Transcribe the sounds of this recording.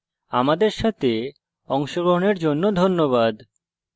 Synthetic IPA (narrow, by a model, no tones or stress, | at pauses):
a̰mad̪eɾʃat̪ʰe | ɔŋʃoɡɾoɦoneɾd͡ʑonːod̪ʱonːoβad̪